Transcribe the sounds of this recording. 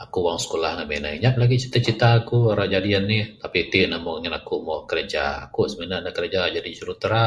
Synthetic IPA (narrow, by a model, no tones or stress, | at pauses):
akuwaŋsə̥kolahŋamenaiɲap̚laɡit͡ʃi̥t̪at͡ʃit̪aːkuaɾad͡ʒadianːɪht̪apit̪inamɔŋanakumɔkəɾəd͡ʒa̰a̰kusəminanakəɾəd͡ʒad͡ʒadisuɾut̪əɾa